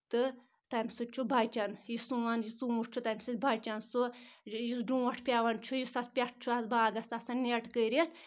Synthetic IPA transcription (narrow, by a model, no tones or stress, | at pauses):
t̪ɨ | t̪amʲsut͡ʃʰubʱaːt͡ʃɐnjisuʋanjit͡sũuʈt͡ʃʰut̪amʲsɨt̪bʱaːt͡ʃɐnsujisɖũːʋɐʈʰpʲaʋant͡ʃʰujisɐt̪ʰpʲɐʈ̚ʰt͡ʃʰuɐsbaːɡɐsasannːeʈkəɾet̪ʰ